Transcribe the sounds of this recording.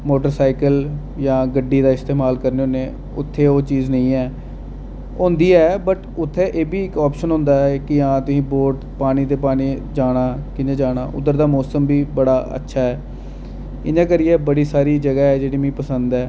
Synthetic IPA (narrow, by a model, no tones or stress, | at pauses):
moːʈəɾsaːɪkəl | jãːɡəɖːiːd̪aːɪst̪eːmaːlkəɾneːoneː | ʊ̰t̪ʰːeːoːt͡ʃiːznəĩːɛː | õːnd̪iːɛːbəʈʊt̪ʰːeːʔeːbiːɪkɔːpʃənɦʊ̃ːnd̪aːɛːkɪãːt̪ʊsĩːboːɾʈpaːniːt̪̬eːpaːniːd͡ʒaːɽ̃aːkɪnẽːd͡ʒaːɽ̃a̰ːʔʊ̰d̪əɾd̪aːmɔːsəmbiːbəɽaːə̰tːʃʰaːɦɛː | ɪnãːkəɾɪjɛːbəɽiːsaːɾiːd͡ʒəɡaːɛːd͡ʒeːɽiːmĩːpəsə̃nd̪ɛː